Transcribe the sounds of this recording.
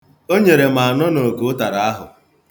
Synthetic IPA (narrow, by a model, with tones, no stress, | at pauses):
o˦ɲe˨ɾe˨m̩a˨nɔ˦no˨ko˨˦ta˨ɾa˨a˦ɦʊ̰˨